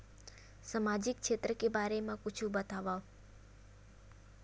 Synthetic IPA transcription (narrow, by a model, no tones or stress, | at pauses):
səmad͡ʒik̚t͡ʃʰet̪ɾəkebaɾemãkut͡ʃʰũbət̪aʋa